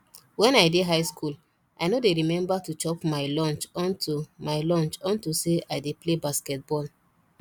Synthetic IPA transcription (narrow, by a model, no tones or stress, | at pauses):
wɛ̃naɪdeɦaɪskʰul | ʔajnodeɹimɛ̃mbatut͡ʃɔpmaɪlɔ̃nt͡ʃɔ̃ntʰumaɪlɔ̃nt͡ʃɔ̃ntuseʔaɪdeplebaskɛt̚bɔl